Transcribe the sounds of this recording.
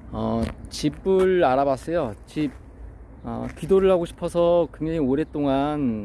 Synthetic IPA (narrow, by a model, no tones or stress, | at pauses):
ʌt͡ɕibɯɭaɾabas͈ʌjot͡ɕib̚ | ʌ̰kidoɾɯɭhaɡoɕʰi̥pʰʌsʰʌkwe̞ŋd͡ʑaŋioɾe̞t͈oŋan